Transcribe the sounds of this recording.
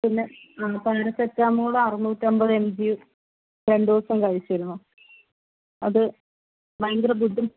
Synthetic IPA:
pinːepɐːɐɾɐsetːaːmuoɭːeɐrimuːtːembɐðemd͡ʑiju | ɾeɳɖɐsɐmkɐɻit͡ɕːɐɾunːu | ɐðɨ | ʋɐjnd̪ɾɐbud̪ʱːum

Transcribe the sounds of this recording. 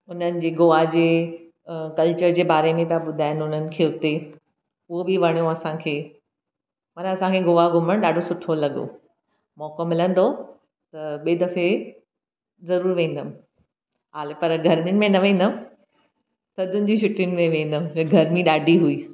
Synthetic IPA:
ʊnənɪ̆d͡ʑeːɡoːʋad͡ʑeː | kɐlt͡ɕəɾd͡ʑeːbaːɾemẽp̬ijaɓʊd̪ʱaːɪnʊn̤ənɪ̆kʰeːʊt̪e | ʊɦobɪʋɐɽ̃ijoɐsãkʰeː | mɐnɐsãkʰeɡoːʋaɡʱʊməɽ̃ɗaːɖʱosʊʈʰolɐɠo̰ | mɔːkomɪlə̃nd̪o | t̪ɐɓeːd̪ɐfe | zɐɾuːɾʋẽːn̆d̪əm | ɦaːlepɐɾɡʱɐɾmɪnɪ̆mẽnɐʋẽːn̆d̪əm | sɐd̪ʱʊnɪ̆d͡ʑĩʃʊʈʰɪjʊnɪ̆mẽʋẽːnd̪əmɪɡʱɐɾmĩɗaːɖʱiɦuiː

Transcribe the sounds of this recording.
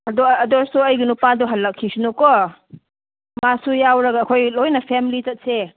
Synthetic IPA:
ɐdɔɐdɔɾsuɐjɡinupadɔɦɐlːɐkʰːisunɔkɔ | masujawɾɐɡaːkʰojlojnɐpʰemilitɐt̚se

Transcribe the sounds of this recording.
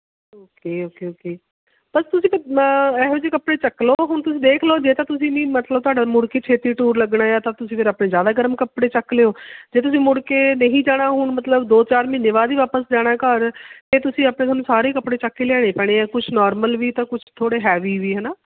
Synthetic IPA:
oːkeːoːkeːoːkeː | pəst̪ʊsĩːpʰɪɾɛːɦoːd͡ʒeːkəpɽeːt͡ʃəkːloːɦʊɳt̪ʊsĩːd̪eːkʰloːd͡ʒeːt̪ãːt̪ʊsĩːnĩːmət̪ləbt̪ʊwaːɖaːmʊɽkeːt͡ʃʰeːt̪ɾiːʈuːɾləɡɽaːjaːt̪ãːt̪ʊsĩːpʰɪɾaːpɳeːzjaːd̪aːɡəɾəmkəpɽeːt͡ʃəkːleːoːd͡ʒeːt̪̬ʊsĩːmʊɽkeːnəɦĩːd͡ʒaːɽ̃aːɦʊɳmət̪ləbd̪oːt͡ʃaːɾmĩːneːʋaːd̪iːʋaːpəsd͡ʒaːɽ̃aːkəɾt̪eːt̪ʊsĩːaːpɽẽːaːnũːsaːɾeːkəpɽeːt͡ʃəkːeːlɛːɽ̃ẽːpɛːɽ̃eːkʊt͡ʃʰnɔːɾməlʋiːt̪ãːkʊt͡ʃʰt̪ʰoːɽeːɦɛːʋiːʋiːɦɛːnaː

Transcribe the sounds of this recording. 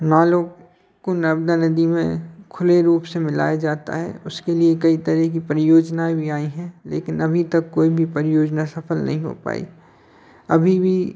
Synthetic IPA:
naːlo | konəbd̪anɐd̪imḛ̃kʰʊleɾuːpsemɪla̰ːjad͡ʒaːt̪a̰ɦɛ̰ːʊskeliekɐit̪ɐɾɛɦkipəɾɪjoːd͡ʒnaẽbʱiaːiɦɛ̃lḛːkɪnɐbʱit̪ɐkːoːibʱipəɾɪjoːd͡ʒnasɐfʰəlnɐ̰ɦĩɦo̰pa̰ːḭ | ɐbʱibʱi

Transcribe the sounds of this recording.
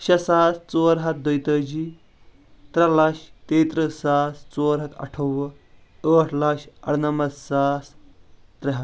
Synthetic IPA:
ʃɐsaːst͡soːɾɦɐt̪̚d̪əjt̪əːd͡ʒi | t̪ɾɐlɐʃt̪eːt̪ɾəsaːst͡soːɾɦɐt̪ɐ̰ʈʰoʋɐ | əːʈʰlɐkʃɐ̰ɽnɐmɐd̪saːst̪ɾɐɦɐt̪

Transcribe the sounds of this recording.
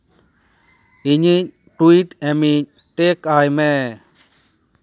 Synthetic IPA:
iɲiɲ | ʈuiʈɛmiɲʈekajmɛ

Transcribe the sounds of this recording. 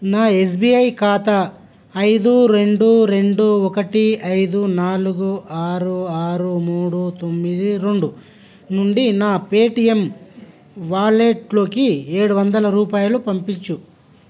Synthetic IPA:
naːe̞s̬biɐjkaːt̪ɐː | jd̪uɾe̞ɳɖuɾe̞ɳɖuɔkɐʈiɐjd̪unaːluɡuʔaːɾuaːɾumuːɽut̪o̞mːid̪iɾeɳɖu | nuɳɖinaːpeːʈijem | ʋaːleːʈlo̞ːkieːɽuʋɐnd̪ɐlɐɾuːpaːjɐlupɐmpiɲt͡ʃːu

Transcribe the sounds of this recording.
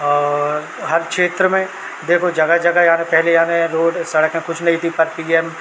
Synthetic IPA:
ɦɐɾkʃeːt̪ɾəmẽ | d̪eːkʰod͡ʒɐɡad͡ʒɐɡajɐɦãnẽpɛɦlejɦãːneɾoːɖsɐɽəkẽkʊt͡ʃʰnɐɦĩt̪ʰipɐɾpiːɛm

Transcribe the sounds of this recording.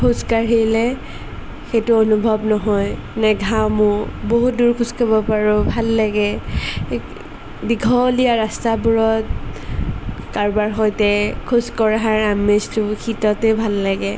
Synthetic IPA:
kʰuskaɹɦelɛ | xetʊonubʱɔbnɔɦɔj | naɡʱawmʊboɦut̚duɹkʰuskabɔpaɹʊbʱalːaɡɛ | biɡʱɔlijaɹastabuɹɔt | kaɹbaɹxɔjtɛkʰuskɔɹaɦaɹamestʊkʰitɔtɛbʱalːaɡɛ

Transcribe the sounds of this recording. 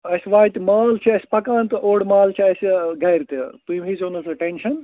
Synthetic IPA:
ɐsʲʋaːjt̪imaːlt͡ʃʰiɐsʲi̥pɐkãːnt̪oːɽmaːlt͡ʃʰiɐsiɡɐjɾt̪it̪uimɦizoːnɐsɐʈenʃɐn

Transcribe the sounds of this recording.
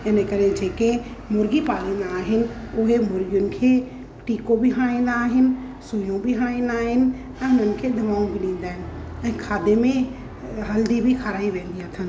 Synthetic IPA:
ɪnəkəɾẽd͡ʒeːkemʊɾɡipaːlimeaːɦɪnɪ̆ʊɦemʊɾɡjʊnɪ̆kʰe | ʈiːkobʱiɦãːĩnd̪aːɦɪnɪ̆ | sujõbʱiɦãːɽĩnaːɦɪnɪ̆ | ɛ̃ːʊnənɪ̆kʰed̪ʱɐmaːũbʱiɗĩːnd̪aːɦɪnɪ̆ɛ̃ːkʰaːd̪emẽ | ɦɐld̪ibʱikʰaːɾaːiʋẽːnd̪iət̪ʰən̆

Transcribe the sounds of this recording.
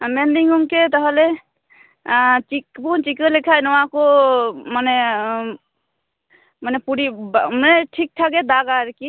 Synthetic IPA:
mend̪iŋɡuŋket̪əɦəle | t͡ʃikpunt͡ʃikəlekʰajnəwãkomane | mənepuɾimeʈʰik̚ʈʰaɡed̪aɡaɾki

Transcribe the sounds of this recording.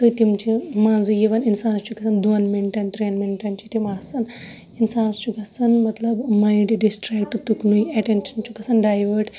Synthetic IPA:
t̪ɨt̪imt͡ʃimãːnzɨjiʋɐninsaːnɐst͡ʃukɐsɐnd̪oːnmeɳʈɐnt̪ɾeːnmeɳʈɐnt͡ʃit̪imaːsɐn | insaːnɐst͡ʃuɡɐsɐnmɐt̪lɐbmɐjɖɖisʈɾaːk̚ʈut̪uknujɐʈenʃɐnt͡ʃukɐsɐnɖaːjʋɐɾʈ

